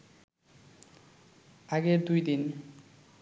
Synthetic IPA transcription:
aɡeɾd̪ujd̪in

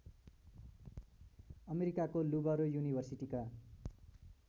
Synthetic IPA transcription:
ʌmeɾikakolubʌɾojunibʱʌrsiʈika

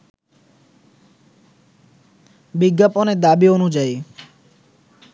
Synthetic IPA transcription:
biɡːaponed̪abionud͡ʑaj

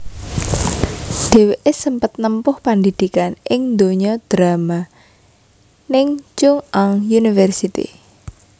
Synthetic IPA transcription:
d̥e̤weʔesəmpət̪̚nəmpʊhpand̪id̪̥ikanʔɪŋnd̪oɲɔd̪̥ɾama | nɪŋt͡ʃʊŋaŋjunifɛrsit̪ḭ

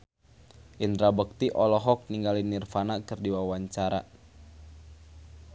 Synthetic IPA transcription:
ʔind̪ɾabək̚t̪iʔɔlɔɦɔk̚niŋɡalinːirfanakɨrdiwawaɲt͡ʃaɾa̰

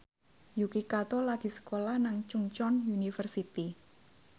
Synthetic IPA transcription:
jukikat̪olaɡ̥i̤sə̥kolahnaŋt͡ʃuŋt͡ʃɔnjunifərsit̪i

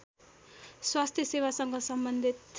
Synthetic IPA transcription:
swast̪ʰjʌsewasʌŋɡʌsʌmbʌnd̪ʱit̪

